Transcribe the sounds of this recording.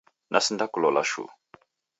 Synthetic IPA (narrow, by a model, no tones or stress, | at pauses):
nʔasindakulɔla̰ʃṵ